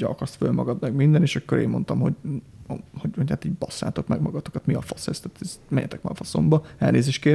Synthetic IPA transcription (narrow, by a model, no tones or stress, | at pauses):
ɒ̰kɒrsfølmɒɡɒd̪mɛɡmind̪ɛneːʃɒkːoɾḛːmːo̞nt̪ɒmho̞̰ɟ | hoɟhochaːt̪iːɟbɒsːa̰ːt̪o̞k̪mɛɡmɒɡɒt̪okɒt̪miɒfɒsɛst̪at̪ɛzmɛɲːɛ̰t̪ɛk̚ma̰ːfɒso̞̰mbɒɛ̰lneːzeːʃt̪keː